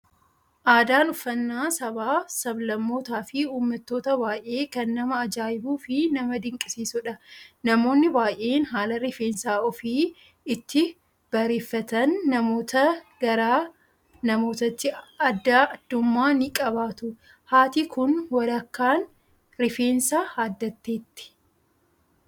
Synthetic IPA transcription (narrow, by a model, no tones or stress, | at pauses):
ʔaːd̪aːnʊfːɐnːaːsɐbaːsɐblɐmːo̞ːt̪aːfɪuːmːɐt̪ːo̞ːt̪ɐbaːjʔe̞ːkɐnːɐmɐːd͡ʒaːjɪbuːfɪnɐmɐd̪ɪŋkʼɪsiːsʊᶑɐnɐmo̞ːnːɪbaːje̞ːnɦaːlɐɾɪfeːnsaːʔɔfiː | ɪt̪ːɪ | b̥ɐɾeːfːɐt̪ɐnːɐmo̞ːt̪ɐɡɐɾaː | nɐmo̞ːt̪ɐt̪ːɪɐd̪ːaːɐd̪ːʊmːaːnɪkʼɐβaːt̪ʊ | haːt̪ikʊnwɐɾɐkːaːn | ɾɪfe̞ːnsaːhaːd̪ːɐt̪ːe̞ːt̪ːɪ̥